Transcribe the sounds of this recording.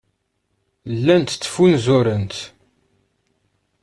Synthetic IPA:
lːænt̪t͡sːə̥funzuɾənt̪

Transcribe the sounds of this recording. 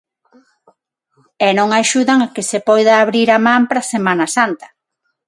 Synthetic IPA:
ɛnõŋaʃuðaŋakesepɔjðaːβɾiɾamampɾasemãnasant̪ɐ̥

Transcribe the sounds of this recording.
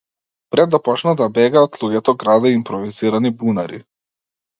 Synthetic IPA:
pɾɛd̪ːapɔt͡ʃnad̪abɛɡaːt̪lˠuɟɛt̪ɔɡɾad̪aimpɾɔviziɾanibunaɾḭ

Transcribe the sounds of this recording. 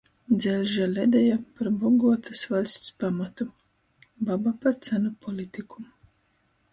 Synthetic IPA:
d̪zʲɛlʲʒalʲɛd̪ɛjapaɾbɔɡuɔt̪asvalʲst̪spamat̪u | babapaɾt̪sænupʰɔlʲit̪ikʰu̥

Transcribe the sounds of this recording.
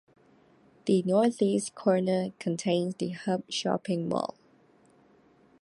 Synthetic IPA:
ð̥ənɔθiskʰɔɹnəkʰə̃ntʰẽnsdəhʌp̚ʃɔ̰pɪ̃ŋwɔ̰l

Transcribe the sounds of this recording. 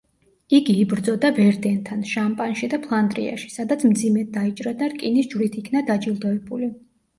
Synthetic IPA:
iɡiːbɾd̪zɔd̪abɛɾd̪ɛnt̪ʰanʃampʼanʃid̪apʰlˠand̪ʼɾḭa̰ʃi̥sad̪at̪sʰmd̪zimɛd̪ait͡ʃʼɾad̪aɾkʼinisd͡ʒwɾit̪ʰikʰnad̪ad͡ʒilˠd̪ɔɛbuli

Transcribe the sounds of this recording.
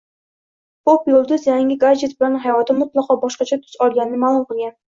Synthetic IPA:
popjolˠd̪ʊzjæŋɡʲɪɡaɾd͡ʒet̪bɪlanɦɑjɒt̪ʰɪmʊt̪lˠɑqʰɑbɒʃqɑt͡ʃʰɛt̪ʰʊ̥z̥ɒlˠɡʲanɪnɪmaːlˠʊmqɨlˠɡʲæn

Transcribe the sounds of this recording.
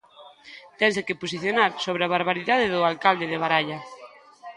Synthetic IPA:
t̪ɛns̬ekepos̬iθjonaɾsoβ̞ɾeaβaɾβaɾiðaðeðʊalkald̪eðeβ̞aɾaʎa

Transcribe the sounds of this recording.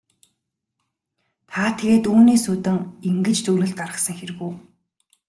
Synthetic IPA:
t̪ʰaːt̪ʰeɣeːt̪uːniːsut̪ɘ̆ŋiŋɡɘ̆t͡ɕt͡suːɮɘ̆ɬt̪ɢaɾə̆sə̆ŋxeɾ̆ɣuː

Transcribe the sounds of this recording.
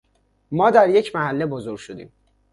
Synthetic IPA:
mɒːd̪æɾje̞cʰmæhælːebozo̞ɾɡʃod̪ḭːm

